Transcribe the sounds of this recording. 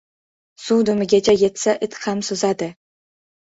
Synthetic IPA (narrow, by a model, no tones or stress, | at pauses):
sud̪ʊmɪɡʲat͡ʃʰajet̪saʔɪt̪χamsʊzad̪ɪ